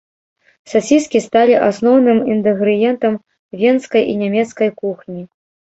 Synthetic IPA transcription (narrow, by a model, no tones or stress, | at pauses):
sasʲiskʲist̪alʲiʔasnɔwnɨmint̪ɨɣɾɨjɛnt̪ɐm | vʲɛnskɐjʔinʲamʲɛt̪skɐjkuxnʲi